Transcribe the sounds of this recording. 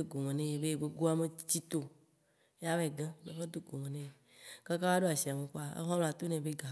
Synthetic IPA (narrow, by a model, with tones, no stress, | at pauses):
o˦ɡo˨mẽ˨nẽ˦je˨be˦˨ɡ͡be˦ɡo˦a˦mẽ˨t͡ɕi˦t̪o˨˦ | a˦vɛ˨ɡã˦nẽ˦fe˦d̪o˦ɡo˨mẽ˨nẽ˦je˨ | ka˦ka˦va˦ɖo˦a˨si˨a˨me˨k͡po˦a˨ḛ˦ɦɔ̃˦lõ˨a˨t̪o˦nɛ̃˨be˦ɡa˨